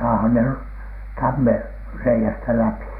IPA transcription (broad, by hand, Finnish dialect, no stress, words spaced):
sɑːhɑn ner tɑmːerːeiæstæ læpi̥